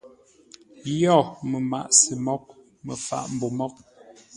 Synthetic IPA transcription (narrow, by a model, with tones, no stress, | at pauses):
jɔ˦˨mə˨ma̰˨ʔsə˨mɔ˦k̚ | mə˨fa̰˨ʔm̩˨bo˨mɔ˦k̚